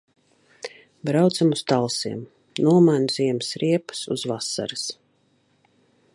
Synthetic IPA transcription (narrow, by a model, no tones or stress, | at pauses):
bɾawt̪samust̪alˠsiɛm | nuɔmajnuziɛməsɾiɛpḁsuz̥vasa̰ɾɨs